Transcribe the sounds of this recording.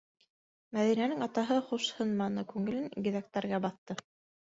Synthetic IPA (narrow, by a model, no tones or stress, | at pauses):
mæðinænɘŋɑt̪ɑɦɤχuʃhɤ̆nmɑnɤkʉŋɘ̆lɘŋɡɘ̆ðæk̚t̪æɾɡæbɑθt̪ɤ